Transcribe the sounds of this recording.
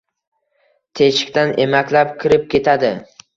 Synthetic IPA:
t̪ʰet͡ʃɪ̥k̚ʲt̪anʔemakʲlapkʲʰɪɾɪp̚kʲʰe̞t̪ʰad̪ɪ

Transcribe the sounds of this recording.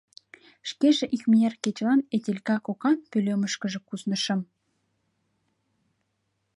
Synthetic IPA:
ʃkeʒĕʔixmierket͡ɕʲlɑnet̪ʲelʲkɑkokɑnpølʲømə̆ʃkə̆ʒĕkuznə̆ʃɤ̆m

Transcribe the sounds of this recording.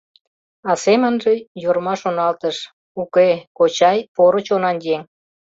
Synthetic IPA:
ɑsemənʒejormɑʃonɑlt̪əʃ | ukekot͡ɕɑjpoɾət͡ɕonɑnjeŋ

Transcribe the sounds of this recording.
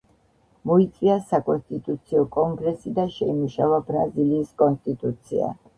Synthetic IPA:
mɔit̪sʼiasakʼɔnst̪ʼit̪ʼut̪sʰiɔkʼɔŋɡɾɛsid̪aʃɛimuʃavabɾaziliːskʼɔnst̪ʼit̪ʼut̪sʰḭa̰

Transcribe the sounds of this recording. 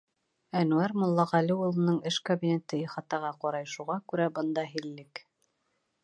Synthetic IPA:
ænuæɾmŏlˠːɑʁɑliulˠɤ̆nɤɴɘʃkobʲinʲet̪ɤiχɑt̪ɑʁɑqɑɾɑjʃuʁɑkʉɾæbɤ̆nd̪ɑɦilːɘk

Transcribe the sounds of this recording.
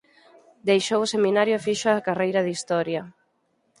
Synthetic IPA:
d̪ejʃowʊseminaɾjʊfiʃʊakarejɾɐðist̪ɔɾjɐ

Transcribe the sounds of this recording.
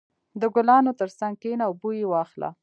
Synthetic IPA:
d̪əɡʊlɑnot̪əɾsaŋɡ̚kenaubujewɑxla̰

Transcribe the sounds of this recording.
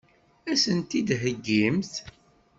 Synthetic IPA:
æsənt̪id̪ɦəɡːimθ

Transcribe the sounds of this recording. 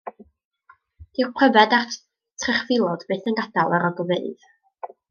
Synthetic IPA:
d̥iwqʰwəvɛdar | tʰrɛχvɪlˠɔd̥beːθənɡadalˠəɾɔɡɔvɛðɨð

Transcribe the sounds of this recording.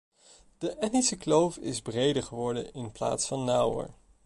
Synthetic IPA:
d̥əʔɛtnisəklowfɪ̰zbrejdəɹχəʋɔɹdənɪnpla̰ːtsfɑnːʌwə̰ɹ

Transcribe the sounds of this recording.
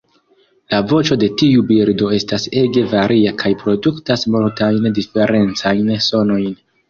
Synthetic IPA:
lavo̞t͡ʃo̞de̞tiubiɾdo̞e̞stase̞ɡe̞vaɾʔiakʰajpɾo̞duktasmoltajndife̞ɾe̞nt͡sajnso̞no̞jn

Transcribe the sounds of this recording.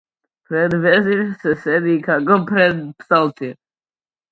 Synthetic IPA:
pɾɛd̪vɛziɾsɛsɛd̪ikʰakɔpɾɛd̪psalt̪iɛ

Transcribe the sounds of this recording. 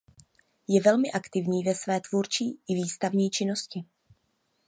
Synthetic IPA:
jɛvɛlmɪʔakt̪ɪvɲiːvɛsvɛːt̪vuːɾt͡ʃiːʔɪviːst̪avɲiːt͡ʃɪno̞scɪ

